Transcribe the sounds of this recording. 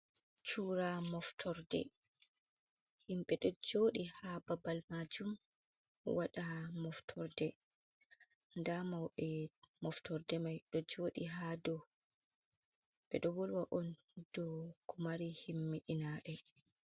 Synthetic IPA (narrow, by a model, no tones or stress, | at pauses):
t͡ʃuːɾamɔftʰɔɾdɛ̰ | himɓɛɗɔd͡ʒoːɗihababalmad͡ʒum | waɗamɔftʰɔɾdɛ | ndamawɓɛmɔftʰɔɾdɛmajɗɔd͡ʒoːɗiɦadɔ | ɓɛ̰ɗɔwɔlwaʔɔnd̥ɔkʰɔmaɾihimːiɗinaɗɛ